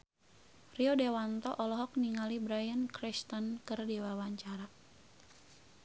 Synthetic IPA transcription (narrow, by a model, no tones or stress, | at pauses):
riɔdewant̪ɔʔɔlɔɦɔk̚niŋalibɾajankɾist̪ɔnkɨrdiwawaɲt͡ʃaɾa